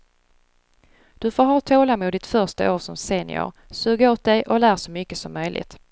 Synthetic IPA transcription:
d̪̥ɵfoːɾɦɑːt̪ʰoːlamʊd̪ɪt̪fœʂta̰ʔoːɾʂɔmseːnɪ̰ʊ̰ɾ | sʉːɡaoːt̪̚d̪ɛjʔɔlæːʂɔmʏkːəsɔmːœjlʔɪ̰t̪

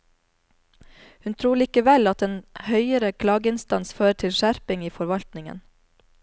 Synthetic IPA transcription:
hʉnt̪ʰɾuːɭiːkəʋɛlɑt̪eːnhœʏəɾəkʰlɑːɡəɪnst̪ɑnsføːɾəʈʰɪlʃæɾpɪŋiːfɔɾʋɑlt̪nɪŋə̰n

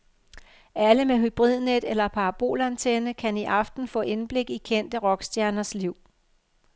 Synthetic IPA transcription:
æləmeɦyb̥ʁið̞̰ˠned̥elɐpʰɑ̈ɑb̥o̝̰ːlænt͡sʰenəkʰæniʔɑ̈fd̥n̩fɔ̰̽ːʔe̝nb̥le̝ɡ̥ikʰen̰d̥əʁɒ̽ɡ̥sd̥jæɐnɐsliʊ̰

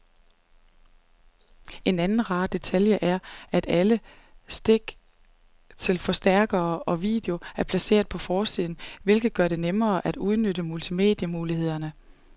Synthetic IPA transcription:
e̝nænn̩ʁɑ̈ːd̥e̝t͡sʰæljəʔæɐʔæd̥æləsd̥e̝ɡ̥ | t͡sʰe̝lfɒ̽sd̥æɐ̰ɡ̥ɐːʔɒ̽ʋḭːd̥eo̝æɐpʰlæse̝̰ːɐðˠpʰɒ̽fɒːsið̰ˠn̩ʋe̝lɡ̥ð̩ˠɡ̥ɶɐɾ̥e̝nemɐːʔæd̥uð̞ˠnøɾəmult͡sʰime̝̰ːd̥jəmuːlihe̝ð̰ˠɐnə

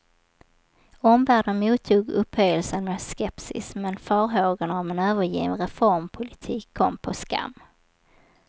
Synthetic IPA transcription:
ɔmvæːɖənmuːt̪ʰːuːɡɵphœjəlsənmɛd̪skɛpsɪ̰smɛnfœːɾɦoːɡanɔmɛnøːvəɾjḭːnɾɛfɔɾmpʰʊlɪt̪ʰiːkʰːɔmːpʰɔska̰mː

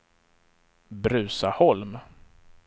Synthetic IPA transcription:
bɾʉ̟ːsahɔlm

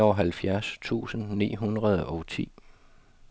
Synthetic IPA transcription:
ɒɦælfjæɐst͡sʰṵːsn̩nḭːɦunʁɐð̞ˠɒ̽t͡sʰḭː

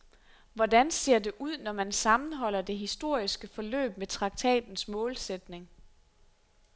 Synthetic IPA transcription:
ʋɒdænse̝ɐ̰de̝ʔuð̞̰ˠnɒmænsɑ̈mn̩ɦɒ̽l̰ɐd̥e̝ɦisd̥o̝ɐ̰isɡ̥əfɒ̽lø̰ːb̥met͡sʰʁɑ̈ɡ̥̚t͡sʰɛ̰ːd̥n̩smɔ̽ːlsed̥ne̝ŋ

